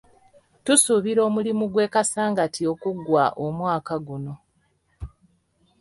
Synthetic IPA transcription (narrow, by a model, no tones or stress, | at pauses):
tusuβiɾo̞ːmulimuɡwe̞ːkasaːŋɡatio̞kuɡwaʔomwaːkaɡuno̞